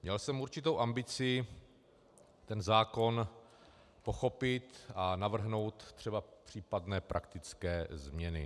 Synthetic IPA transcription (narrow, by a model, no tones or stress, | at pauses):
mɲɛlsɛmuɾt͡ʃɪt̪owʔambɪt͡sɪ | t̪ɛnzaːko̞n | po̞xo̞pɪt̪anavr̩ɦno̞wt̪t̪ːr̝̥ɛbapr̝̥iːpadnɛːpɾʔakt̪ɪt͡skɛːzmɲɛnɪ̰